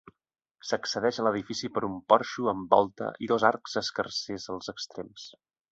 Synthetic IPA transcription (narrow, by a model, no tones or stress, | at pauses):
səksəðɛʃələðifisipəɾumpɔrʃuəmbɔ̰lˠt̪ə̰ʔiðɔzaɾkz̥əskərsezəlˠzəkst̪ɾems